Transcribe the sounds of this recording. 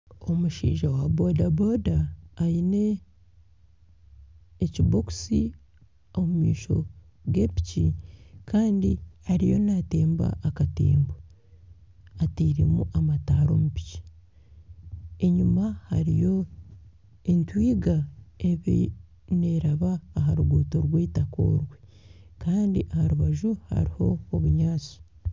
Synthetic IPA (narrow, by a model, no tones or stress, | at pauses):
o̞muʃḭːʒawabodabo̞ːdaːine̞ | ciboku̥si | omumiːʃo̞̰ | ɡe̞pi̥cikaːndihaɾijo̞nate̞ːmba̰ʔːkatḛːmba | atiːɾimuʔamataːɾo̞̰mupi̥ci̥ | e̞ɲumahaɾijo̞ | entwiːɡaeβḭ | neɾaβaːɦaɾuɡuːtoɾweːtako̞̰ːɾwe̞ | kaːndiʔahaɾuβaʒuha̰ɾiho̞ːβuɲaːt͡si̥